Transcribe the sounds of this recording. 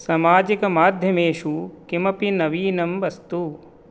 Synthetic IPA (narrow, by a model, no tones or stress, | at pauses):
sɐmaːd͡ʒikɐmaːd̪ʱjɐmeːʃukimɐpinɐʋiːnɐmʋɐst̪u